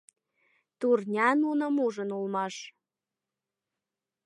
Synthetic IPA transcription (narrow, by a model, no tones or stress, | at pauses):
t̪urnʲɑnunəmuʒənulmɑʃ